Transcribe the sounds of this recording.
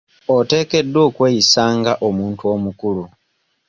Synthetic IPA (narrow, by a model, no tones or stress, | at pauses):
ote̞ːke̞dːo̞ːkwe̞ːjisaːŋɡaʔomuːntuo̞ːmukulu